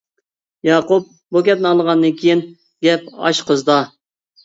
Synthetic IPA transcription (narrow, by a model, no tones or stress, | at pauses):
jɑːqup̚ | bukʲɛt̪̚nɪɑlˠəʁɑnd̪ɨnkʲʰejin | ɡʲɛp̚ɑ̰ʃqʰəzd̪ɑ